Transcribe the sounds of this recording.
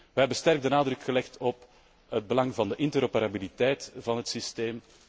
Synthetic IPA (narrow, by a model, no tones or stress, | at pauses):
ʋəɦɛbənstɛrɡ̚dənaːdrɵkxəlɛxtɔp | ɦəd̚bəlɑŋvɑndəʔɪntəɾopeɾabilitɛjtv̥ɑnɦətsisteːm